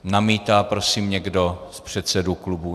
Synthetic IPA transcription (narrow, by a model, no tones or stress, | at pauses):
namiːt̪aːpɾo̞siːmɲɛɡdospr̝̥ɛt̪sɛduklubu